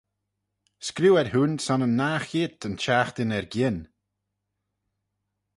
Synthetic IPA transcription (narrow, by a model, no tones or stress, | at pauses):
skɾuːɛɾhunsɔnənːaːxiːt̪ənt͡ʃaːxt̪ɪnɛɹɡʲɪn